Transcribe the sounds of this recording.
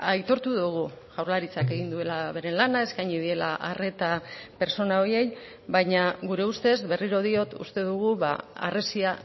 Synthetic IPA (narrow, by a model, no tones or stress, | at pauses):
ajt̪o̞ɾt̪uðuɣ̞uʝawɾlaɾit͡sake̞ɣind̪ue̞laβe̞ɾe̞nlanae̞skajɲiðie̞la̰ʔare̞t̪ape̞ɾso̞nao̞je̞j | bajɲaɣuɾe̞ust̪e̞zbe̞riɾo̞ð̞io̞t̪ṵst̪e̞ðuɣ̞uβa̰a̰re̞sia